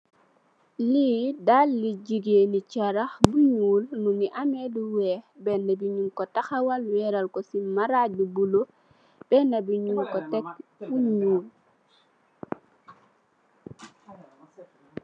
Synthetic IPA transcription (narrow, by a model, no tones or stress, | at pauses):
lidalːiɟiɡeːnit͡ʃaɾaxbuɲuːlnuniʔamɛduwɛbɛnɐbiɲuŋkɔtaxɐwɐlwɛɾɐlkɔsimaɾaɟubulo | b̥ɛnɐbiɲuŋkɔtɛk̚buɲuːl